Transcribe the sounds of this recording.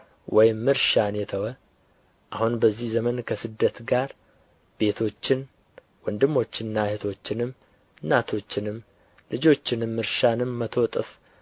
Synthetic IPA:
wʔɔjɪmːɨɾʃanjɛt̪ʰəwə | ʔahunbəzːihzəmənkʰəsɨd̪ːət̪ɡaɾ | b̥e̞t̪ʰo̞t͡ʃːɪn | wɔnd̪ɨmːo̞t͡ʃːɪnːahet̪ʰo̞t͡ʃːɪnɨm | ɨnːat̪ʰo̞t͡ʃːɪnɨmː | lɨd͡ʒo̞t͡ʃːɪnɨmːɨɾʃanɨmːət̪ʰo̞t̪ʼɨf

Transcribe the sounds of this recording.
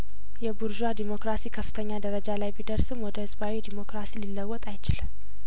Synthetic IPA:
jɛbuɾd͡ʒad̪imo̞kɾasikʰəfːɨ̥t̪ʰəɲːad̪əɾəd͡ʒalajbid̪əɾsɨmwɔd̪əhɨzbawid̪imo̞kɾasililːəwːɔt̪ʼajt͡ʃɪlɨm

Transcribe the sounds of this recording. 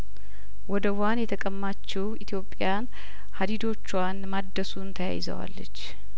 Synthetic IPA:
wɔd̪əwanjɛt̪ʰəkʼəmːat͡ʃːɛwit̪ʰjo̞pʼːjan | had̪id̪o̞t͡ʃːuwanmad̪ːəsunt̪ʰəja̰jɪzə̰wa̰lːə̰t͡ʃː

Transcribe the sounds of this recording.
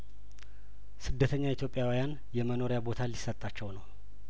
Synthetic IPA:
sɨd̪ːət̪ʰəɲːait̪ʰjo̞pʼːjawijan | jɛməno̞ɾjabo̞t̪ʰalisːət̪ʼːat͡ʃːɛwnəw

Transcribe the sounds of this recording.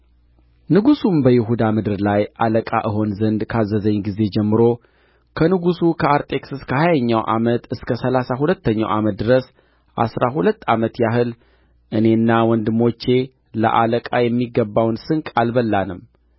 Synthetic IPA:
nɨɡusumbəjɪɦud̪amɨd̪ɨɾlajʔaləkʼa̰ʔɨɦo̞nzənd̪kʰazːəzəɲɡize̞d͡ʒɛmːɨɾo̞ | kʰənɨɡusukʰəaɾt̪ʼe̞ksɨskʰəhajaɲːawʔa̰mət̪ɨskʰəsəlasaɦulət̪ːəɲːa̰wʔamət̪̚d̪ɨɾəs | ʔa̰sɾaɦulət̪ːamət̪jaɦɨl | ʔɨne̞nːawɔnd̪ɨmo̞t͡ʃːe̞ | lə̰ʔa̰ləkʼajɛmːiɡːəbːawnsɨŋkʼalbəlːanɨm

